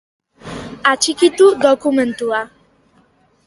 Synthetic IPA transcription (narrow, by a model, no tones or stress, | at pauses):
at͡ʃikit̪ud̪okument̪ua